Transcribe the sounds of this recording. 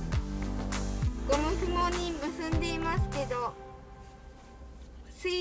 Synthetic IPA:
ɡ̥o̞mɯ̟ɸɯ̟moɲ̟imɯ̟sɨ̃nd̪e̞imasɨ̥ke̞d̪o̞ | sɨ

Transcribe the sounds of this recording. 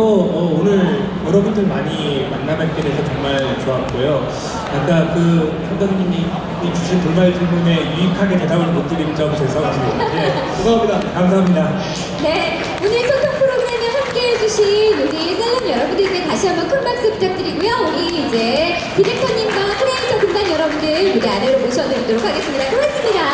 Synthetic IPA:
ʌmʌonɯɭ | jʌɾʌbundɯɭmaɲimanːamak͈edeesʰʌt͡ɕʌŋmaɭt͡ɕoat̚k͈ojo | ak͈akɯpʰʌŋdaŋɲimi | it͡ɕuɕʰɯtoɭmaɭt͡ɕʰemune̞juikʰaɡe̞te̞dabɯɭpot͈iɾind͡ʑʌmt͡ɕeɭs͈ʰʌɡad͡ʑionde | oɡʌamɲidakamsʰaɦamɲida | ne̞ | onɯɭsʰʌntʰoŋpʰɯɾoɡɾemɯɦamk͈eɦed͡ʑuɕʰinjonisɯnjʌɾʌbundɯɾid͡ʑe̞taɕʰiɦambʌnkʰɯnmaɭs͈ɯp͈̚id͡ʑak̚t͈ɯɾiɡujooɲiid͡ʑe̞ | pid͡ʑik̚tʰʌɲːimɡwakʰɯɾeisʰʌkuŋdanjʌɾʌbundɯɾmudeaneɾomoɕʰʌnɯɾidoɾokʰaɡe̞s͈ɯmɲidakoɡes͈ɯmɲida

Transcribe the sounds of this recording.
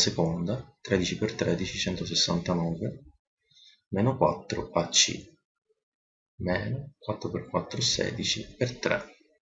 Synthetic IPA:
sekond̪at̪ɾɛd̪it͡ʃipert̪ɾɛd̪it͡ʃit͡ʃɛnt̪os̬esːant̪anɔːve | mɛːnokwa̰t̪ːɾo̰at͡ʃːḭ | mɛːnokwat̪ːɾoperkwat̪ːɾosɛ̰ːd̪it͡ʃipert̪ɾɛ̰

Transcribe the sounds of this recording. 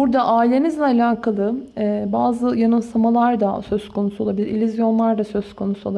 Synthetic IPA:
buɾd̪aʔaːilʲe̞nizlʲɛalʲaːkʰalˠɯɛːbaːzɯjanɯmsamalˠaɾd̪asø̞zkʰo̞nusuo̞lˠabilʲiɾilʲyzjo̞nlˠaɾd̪asø̞zkʰo̞nusuolˠa

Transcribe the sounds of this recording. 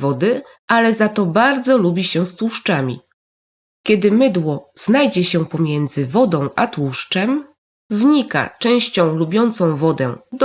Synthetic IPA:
vɔd̪ɘ | ʔalɛzat̪ɔbaɾd̪zɔlubʲiɕɛst̪wuʂt͡ʂamʲḭ | kʲɛd̪ɘmɘd̪wɔz̥najd͡ʑɛɕɛpɔmʲjɛnd̪zɘvɔd̪ɔ̃w̃ʔat̪wuʂt͡ʂɛm | vɲika̰t͡ʂɛ̃w̃ɕt͡ɕɔ̃w̃lubʲjɔnt̪sɔ̃w̃vɔd̪ɛd̪

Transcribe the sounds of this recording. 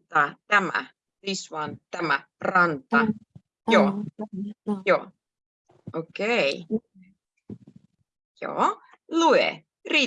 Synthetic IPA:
t̪ɑt̪æmæ̰ | ðiswɑnt̪æmæ | rɑnt̪ɑ | joː | joː | ʔokej | jo̰ | luḛ | ri

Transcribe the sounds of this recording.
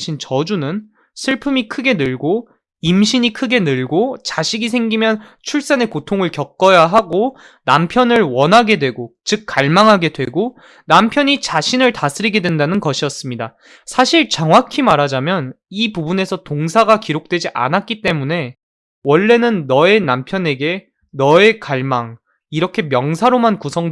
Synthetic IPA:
ɕʰint͡ɕʌd͡ʑunɯn | sʰɯɭpʰɯmikʰɯɡe̞nɯɭɡo | imɕʰiɲikʰɯɡe̞nɯɭɡot͡ɕaɕʰiɡisʰe̞ŋɡimjʌn | t͡ɕʰuɭs͈ane̞kotʰoŋɯɭkjʌk̚k͈ʌjaɦaɡo | nampʰjʌnɯɭwʌnɦaɡe̞dwe̞ɡot͡ɕɯk̚k͈ːaɭmaŋɦaɡe̞dwe̞ɡo | nampʰjʌɲit͡ɕaɕʰinɯɭtasʰɯɾiɡe̞dwe̞ndanɯnkʌɕʰijʌs͈ɯmɲida | sʰaɕʰiɭt͡ɕʌŋwakʰimaɾad͡ʑamjʌnipubune̞sʰʌtoŋsʰaɡakiɾok̚t͈wed͡ʑiʔa̰nat̚k͈it͈e̞mune̞ | wʌɭːe̞nɯnːʌe̞nampʰjʌne̞ɡe̞ | nʌe̞kaɭmaŋ | iɾʌkʰe̞mjʌŋsʰaɾomankusʰʌŋ

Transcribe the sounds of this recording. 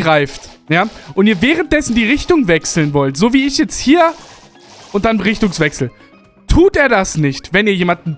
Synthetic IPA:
ʁaɪftjaːʔʊntiːɐvɛːʁənt̚d̥ɛsn̩diːʁɪçtʊŋvɛksl̩nvɔltz̥oːviːɪçjɛt͡sthiːɐ | ʔʊnt̚d̥anʁɪçtʊŋsv̥ɛksl̩ | tʰuːteːɐdasnɪçtvɛniːɐjeːmand̚n̩

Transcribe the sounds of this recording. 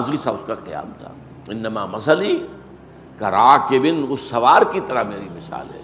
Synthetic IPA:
zisaʊskaqɪja̰ːmt̪ʰa̰ | ɪnːɐmamɐsəli | kɐɾaːkebɪnʊsːɐʋaːɾkit̪ɐɾaɦmeːɾimɪsa̰ːlɦɛ̰ː

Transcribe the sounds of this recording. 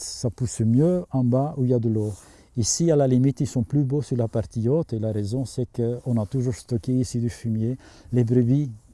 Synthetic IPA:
sapusmjøɛ̃bauiljad̪əlo | isialalimit̪ilsɔ̃plybosyʁlapaʁt̪iot̪χelaʁezɔ̃sɛkəɔ̃nat̪uʒuʁst̪ɔkʲeisid̪yfymje | lebʁəbi

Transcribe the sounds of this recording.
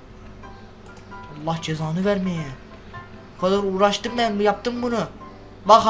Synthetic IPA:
ɑlˠːɑhd͡ʒezɑːnɯvæɾmejæ | kʰɑd̪ɑɾuːɾɑʃt̪ɯmːænmujɑp̚t̪ɯmbunu | vɑx

